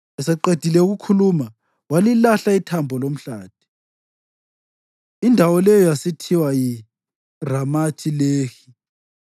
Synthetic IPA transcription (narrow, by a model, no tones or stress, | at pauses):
ɛsɛǃed̥ʱilɛuɣukʰuluma | walilaɬaitʰambʱɔlom̩ɬaːd̥ʱi̥ | indʱawɔlɛjɔjasitʰiwaji | ramatʰileːxi